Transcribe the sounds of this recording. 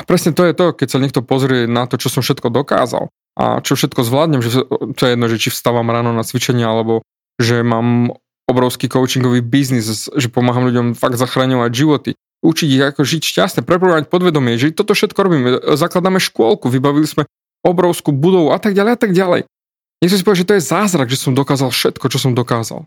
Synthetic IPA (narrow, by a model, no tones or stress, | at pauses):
apɾɛsɲɛt̪ɔjɛt̪ɔkɛcsaɲɛkt̪ɔpɔzɾɪɛnat̪ɔt͡ʃɔsɔmʃɛt̪̚kɔd̪ɔka̰ːza̰l | ʔa̰t͡ʃɔfʃɛt̪kɔzʋlaːd̪ɲɛmʒɛt̪ɔjɛjɛd̪nɔʒɛt͡ʃifst̪aʋaːmɾaːnɔnat͡sʋit͡ʃɛɲɪɛalɛbɔ | ʒɛmaːm | ɔbɾɔʊskiːkɔʊt͡ʃiŋɡɔʋiːbiznisʒɛpɔmaːɦamʎuɟɔmfaɡ̚d̪zaxɾaːɲɔʋaɟʒiʋɔt̪i | ut͡ʃiɟiɣakɔʒicʃcast̪nɛpɾɛpɾɔɡaʋac̚pɔd̪ʋɛd̪ɔmiɛʒɛt̪ɔt̪ɔfʃɛt̪kɔɾɔbiːmɛzaklad̪aːmɛʃkʊɔlˠkuʋibaʋilizmɛ | ɔbɾɔʊskubud̪ɔʋuat̪aɡɟalɛjat̪aɡɟalɛ̰j | ɲɛxt̪ɔɾisipɔʋjaʒɛt̪ɔjɛzaːzɾaɡʒɛsɔmd̪ɔkaːzalˠfʃɛt̪kɔt͡ʃɔsɔmd̪ɔkaːza̰lˠ